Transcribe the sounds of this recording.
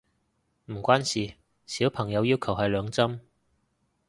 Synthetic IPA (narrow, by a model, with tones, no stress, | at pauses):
m̩˨˩kʷaː˥nsiː˨ | siː˨˥wpʰɐ˨˩ŋjɐ˨˧wjiː˥wkʰɐ˨˩wɦɐ˨jlœː˨˧ŋt͡sɐ˥m